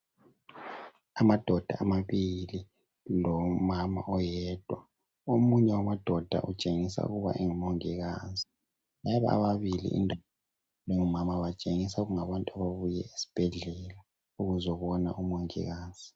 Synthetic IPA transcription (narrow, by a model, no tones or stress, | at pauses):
amad̥ʱɔd̥ʱa̰amaβili | lɔmama̰ʔɔjɛd̥ʱwa | omuɲɛwamad̥ʱɔd̥ʱa̰ʔut͡ʃʼeŋisa̰ṵɣuβa̰ʔɛŋumoŋiɣaːzi | laɛβa̰a̰βaβilḭʔḭndʱ | leŋumamaβat͡ʃʼeŋisauɣuŋaβantʼuaβaβujɛ̰isi̥b̥ʱɛɮɛla | uɣuzɔβɔna̰ʔumoŋḭɣaːz̥i